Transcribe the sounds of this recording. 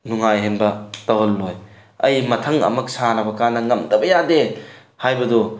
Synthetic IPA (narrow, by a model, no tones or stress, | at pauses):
nuŋajɦenbɐtɐwɦɐlːoj | ɐ̰jmɐtʰɐŋɐ̰mɐk̚sanɐbɐkanːɐŋɐmdɐbɐjade | hajbɐdu